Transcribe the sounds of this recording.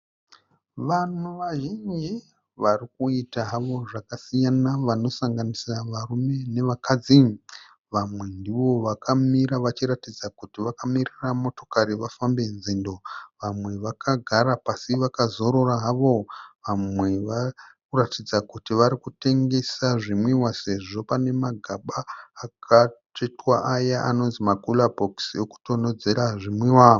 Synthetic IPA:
ʋan̤uʋaʒind͡ʒi | ʋarikuitaɦaʋo̞ʐakasijanaʋano̞saŋɡanisaʋarume̞ne̞ʋakʰad͡zi | ʋamwe̞ndiʋo̞ʋakʰamiɾaʋat͡ʃiɾatid͡zakutiʋakamiriramo̞to̞̥kaɾiʋafambe̞nzindo̞ʋamwe̞ʋakʰaɡʱaɾapasiʋakazo̞ɾo̞ɾaɦaʋo̞ʋamwe̞ʋakuratid͡zakutiʋaɾikute̞ŋɡe̞saʐimwiwase̞ʐo̞pane̞maɡʱaɓaːkʰat͡ʃetwaʔajaʔano̞nzimakulabʱokso̞ku̥to̞no̞d͡ze̞ɾaʐimwiwa

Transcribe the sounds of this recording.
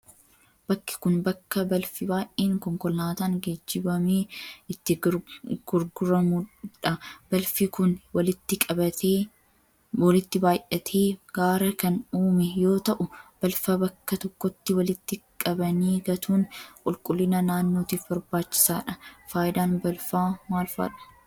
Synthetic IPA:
b̥ɐkːɪ̥kʊnbɐkːɐbɐlfɪbaːʔeːŋkɔŋkɔlːaːt̪aːŋɡed͡ʒːɪbɐmeːɪt̪ːɪɡ̥ʊɾɡʊɾɐmuᶑɐb̥ɐlfɪkʊnwɐlɪt̪ːɪkʼɐbɐt̪eː | wɐlɪt̪ːɪbaːjʔɐt̪ʰeːɡ̥aːɾɐkɐnuːmɛjo̞ːt̪ɐʔʊb̥ɐlfaːbɐkːɐt̪ɔkːɔt̪ːɪwɐlɪt̪ːɪkʼɐbɐniːɡɐt̪ʰuːnkʼʊlkʼʊlːɪnɐnaːnːoːt̪iːfbɐɾbaːt͡ʃːɪ̥sa̰ːᶑɐfaːjɪd̪aːnbɐlfaːmaːlfa̰ːᶑɐ̥

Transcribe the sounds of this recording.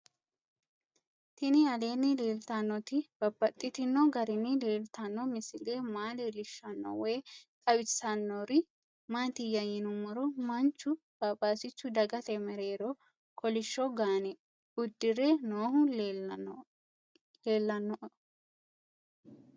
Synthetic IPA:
t̪ɪnɪɐle̞ːnːɪleːlt̪ɐnːɔt̪ɪb̥ɐbːɐt̪ʼːɪt̪ɪnːɔɡɐɾɪnːɪleːlt̪ɐnːɔmɪsɪleːmaːleːlɪʃːɐnːɔ̰wɔjtʼɐwɪt͡sːɐnːoɾɪ | maːt̪ɪjɐjɪnʊmɐɾɔmɐnt͡ʃːʊ | b̥ɐpʼːaːsɪt͡ʃːʊd̪ɐɡɐt̪ɛmɛɾeːɾɔ | kʰɔlɪʃːɔɡaːnɛ | ʊd̪ːɪɾenoːhʊ | leːlːɐnːɔʔ

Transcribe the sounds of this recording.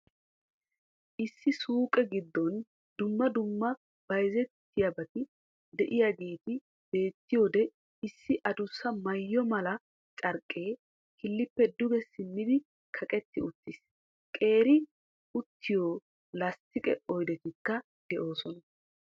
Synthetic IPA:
ʔɪsːɪsuːkʼɛɡɪd̪ːɔn | d̪ʊmːɐd̪ʊmːɐ | b̥ɐjzɛt̪ːɪjɐbɐt̪ɪ | d̪ɛʔɪjaːɡe̞ːt̪ɪ | b̥e̞ːt̪ːɪjo̞ːd̪ɛ | ɪsːɪʔɐd̪ʊsːɐmɐjːɔmɐlɐ | t͡ʃʼɐɾkʼːeː | kɪlːɪpːɛd̪ʊɡɛsɪnːɪd̪ɪ | kʰɐkʼɛt̪ːɪʊt̪ːɪs | kʼe̞ːɾɪ | ʊt̪ʰːɪjoː | lɐst̪ːɪkʼɛ̰ɔjd̪ɛt̪ɪkːɐ | d̪̥ɛʔo̞ːsɔnɐ

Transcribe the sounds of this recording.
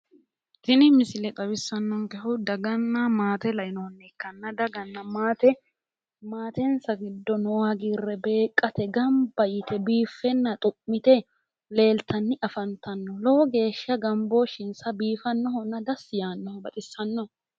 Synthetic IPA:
t̪ɪnɪmɪsɪlɛt̪ʼɐbɪsːɐnːɔŋkɛhʊwd̪ɐɡɐnːɐmaːt̪ɛlɐɪnɔhɔnːɛkːɐnːɐd̪ɐɡɐnːɐmaːt̪ɛ | maːt̪ɛnsɐɡɪd̪ːɔnɔwaɡiːrːɛbe̞ːkʼːɐt̪ɛɡɐmbɐjɪt̪ɛbiːfːɛnːɐt̪ʼʊpʼːɪt̪ɛ | le̞ːlt̪ʰɐnːɪʔɐfɐnt̪ɐnːɔloɔɡe̞ːʃːɐɡɐmboʃɪnsɐbiːfɐnːɔɦɔnːɐd̪ɐsjaːnːɔhɔbɐt̪ʼɪsːɐnːɔ

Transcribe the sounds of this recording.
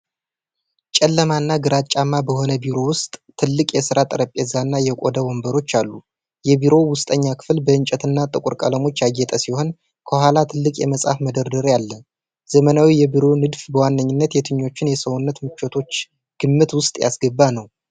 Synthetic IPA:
t͡ʃʼɛlːəmanːaɡɨɾat͡ʃʼamːabəho̞nəbiɾo̞wʊst̪ʼːʰɨlːɨkʼjɛsɨɾat̪ʼəɾəpʼezanːajɛkʷʼo̞̰d̪əwombəɾo̞t͡ʃːalːu | jɛbiɾo̞wʊst̪ʼəɲːakʰɨ̥flbəɨnt͡ʃʼɛt̪ʰɨnːat̪ʼɨkʼuɾkʼə̰ləmo̞t͡ʃːjaɡːɛt̪ʼəsiho̞n | kʰəhʷalat̪ʰɨlːɨkʼjɛməsʼa̰fməd̪əɾd̪əɾjalːə | zəmənawijɛbiɾo̞nɨd̪fbəwanːəɲːɪnːət̪jɛt̪ʰɨɲːo̞t͡ʃːɪnjɛsəwunːət̪mɨt͡ʃːot̪ʰo̞t͡ʃː | ɡ̥ɨmːɨt̪wʊst̪ʼja̰sɡəbːanəw

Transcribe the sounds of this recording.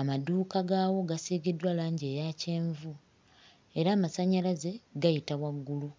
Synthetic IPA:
amaduːkaɡaːwo̞ɡaseːɡedwalaːɲɟe̞ːjace̞ːɱvu | e̞ɾaːmasaɲalaze̞ɡajitawaɡːulu

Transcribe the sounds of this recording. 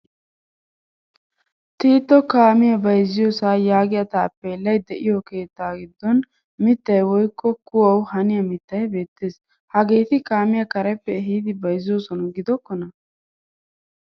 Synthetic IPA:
t̪iːt̪ːɔkaːmɪjɐbɐjzːɪjɔːsaːjaːɡɪjɐt̪aːpːeːlːɐjd̪ɛʔɪjɔke̞ːt̪ːaːɡɪd̪ːɔn | mɪt̪ːɐjwɔjkːɔkʊwɐwhɐnɪjɐmɪt̪ːɐjbe̞ːt̪ːe̞ːs | hɐɡe̞ːt̪ɪkaːmɪjɐkɐɾɛpːɛɦid̪ɪbɐjzːɪjɔsɔnɐɡɪd̪ɔkːɔnɐ

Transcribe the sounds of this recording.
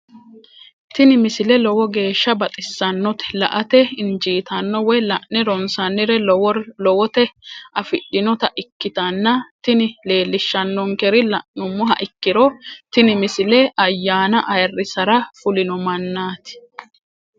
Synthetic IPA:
t̪ɪnɪmɪsɪlɛlɔwɔɡe̞ːʃːɐbɐt̪ʼɪsːɐnːɔt̪ɛ̥lɐʔɐt̪ɛɪnd͡ʒiːt̪ɐnːɔwɔjlɐʔnɛɾɔnsɐnːɪɾɛwlɔwɔt̪ɛʔɐfɪɗːɪnɔt̪ɐʔɪkːɪt̪ɐnːɐt̪ɪnɪle̞ːlːɪʃːɐnːɔŋkɛɾɪlɐʔnʊmːʊɦɐ̰ʔɪkːɪɾɔt̪ɪnɪmɪsɪlɛʔɐjːaːnɐʔɐjrːɪsɐɾɐfʊlɪnɔmɐnːaːt̪ɪ̥

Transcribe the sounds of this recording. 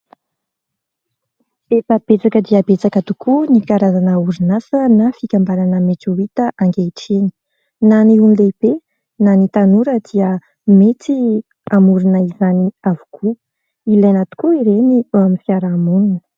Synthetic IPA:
efəb̥et͡sakəd̪iabet͡sakət̪ukʰunikaɾazanəuɾinasənafikʲambaɾanəmeʈ͡ʂoit̪əʔaŋɡeʈ͡ʂeni̥ | naniunileb̥e | nanit̪anuɾəd̪iə | met͡s̪i | amuɾunəizaniavu̥kʰu | ilanat̪u̥kuiɾeniuamifiaɾaːmununə̥

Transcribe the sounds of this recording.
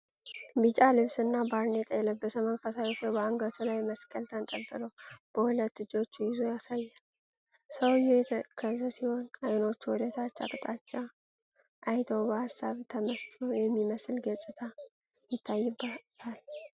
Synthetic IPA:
bɨt͡ʃʼalɨβsɨnːabaɾnet̪ʼjɛləbəsəmənfasajofobəaŋɡət̪ʰulajməskʼəlt̪ʰənt̪ʼəlt̪ʼɨləwb̥əhulət̪ːɨd͡ʒo̞t͡ʃːjɪzojasajːa | səwjɛjɛt̪ʰəkʰəzəsiho̞najno̞t͡ʃːwɔd̪ət̪ʰat͡ʃːa̰kʼt̪ʼat͡ʃːa | ʔajt̪ʰəwbəhasːaβt̪ʰəməst̪ʼojɛmːiməsɨlɡəsʼɨt̪ʰa | jɪt̪ʰːajːɨbːat̪ʰal

